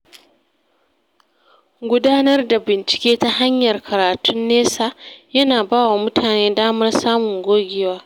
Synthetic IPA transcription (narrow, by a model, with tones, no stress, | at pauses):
ɡʷʊ˦daː˦nɐ˦rda˨bɪ˨nt͡ʃɪ̥˨kʲeː˦ta˦ɦa˦ɲjɐ˨rkʰɐ˨ɾaː˨tʊ˦nːeː˦sa˦˨jɐ˦naː˨baː˦wa˨mʊ˦tʰaː˨neː˦daː˦mɐ˦rsaː˦mʊ˨ŋɡʷoː˦ɡʲɪ˦waː˦